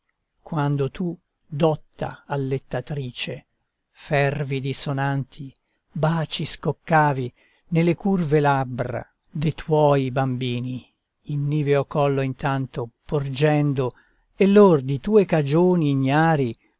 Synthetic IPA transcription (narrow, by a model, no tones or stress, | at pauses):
kwand̪ot̪u | d̪ɔt̪ːa̰alːet̪ːat̪ɾiːt͡ʃe | fɛrvid̪isonant̪ʰi | baːt͡ʃiskokːaːvi | nelːekurvelabɾa̰ | d̪et̪ʰwɔːjbambiːniː | nːiːveokɔlːoint̪ant̪opord͡ʒɛnd̪o | elːord̪it̪uːekad͡ʒoːniːɲːaːɾi